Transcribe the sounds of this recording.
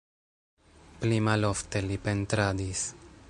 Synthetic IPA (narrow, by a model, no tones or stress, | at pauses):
plimalo̞fte̞lipe̞nt̪ɾadis